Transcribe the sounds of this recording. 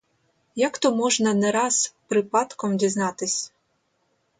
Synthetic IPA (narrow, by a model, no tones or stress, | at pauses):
jakt̪ɔmɔʒnɐnɛɾɑzpɾɪpɑt̪kɔmdʲiznɑt̪ɪsʲ